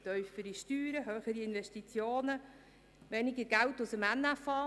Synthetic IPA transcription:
t̪œʏfəɾiʃtyːɾəɦøːχəɾiɪnʋɛʃtit͡sjoːnə | ʋɛnɪɡəɾɡ̥æltʊsəmænːæfɑː

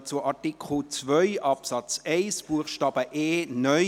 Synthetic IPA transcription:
t͡sʊʔɑtikʰl̩t͡svœʏʔɑpsɑt͡sɛɪsb̥uəχʃtɑːb̥əʔeːnœ

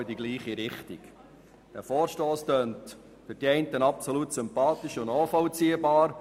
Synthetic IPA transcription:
ɪdiɡliːχiɾɪχtḭk | d̥ɛ̰ɾfɔːɾʃtoːstøːnt | fʏɾd̥iɛɪntənɑpsɔlutsʏmpɑːt̪ɪʃʊnnɔːfɔlt͡siəbɑːɾ

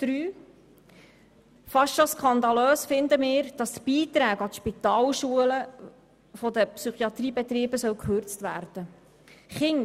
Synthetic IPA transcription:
d̪̥ɾyː | fɑsʃoskʰχɑnd̪ɑløːsfɪnd̪əmɪːɾd̥ɑst̪b̥iːt̪ɾæːɡɑt̪ʃpit̪ɑːlʃuələ | fɔd̪əpsyχiɑt̪riːbɛt̪ɾiːbəsœwkʰχøɾt͡stʋæːɾd̥̪ə | χɪŋ

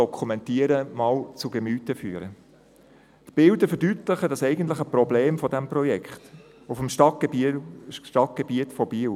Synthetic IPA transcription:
ɔkʰχumɛntiəɾəmɑːlt͡suɡəmyːtəfyːɾə | t̪b̥ɪldəfɛɾdytləχədɑsɛɪɡən̩t̬ləχəprɔbleːmfɔdɛmprɔjɛkχt̪ | ufəmʃ | ʃtɑt̚ɡ̥ebiətfɔb̥iːw

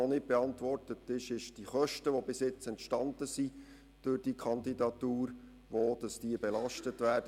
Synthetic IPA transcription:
ɔnɪt̚b̥ɛɑntʋɔrtətːɪʃɪʃd̥iχœʃtəʋobɪsjɪt͡sɛntʃtɑndəsi | d̥ørd̥ikʰχɑndidɑtuːɾ | ʋod̥ɑsd̥iəbɛlɑʃtətʋæːrdə

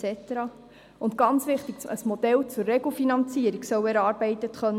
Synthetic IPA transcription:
ɛt̪əɾɑ | ʊnt̪ɡ̥ɑnt͡sʋɪχt̪ikəsmɔd̪ɛlt͡sʊrːɛɡl̩finɑnt͡siəɾiɡsœwɛɾɑːɾb̥ɛɪt̪ət̪χœn

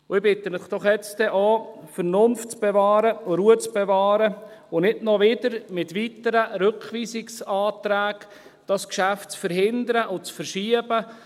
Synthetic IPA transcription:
ʊɪbɪt̪ːənɪχd̥ɔχjɛt͡sdɛʔɑːfəɾnʊnftt͡sb̥ɛvɑːɾəʊɾuət͡sb̥ɛvɑːɾəʊnɪtnɔʋɪdəɾmɪtʋitəɾəɾɵkχʋiːsɪksɑːt̪ɾæːɡ̥ | d̥ɑskʃæftt͡sfəɾhɪnd̪əɾəʔʊt͡sfəɾʃiəbə

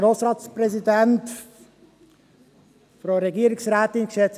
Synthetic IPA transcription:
ɾoːsɾɑːtsprɛzidɛnt | fɾoɾeɡiːəɾɪsɾɛːt̪ɪnɡʃɛt͡s

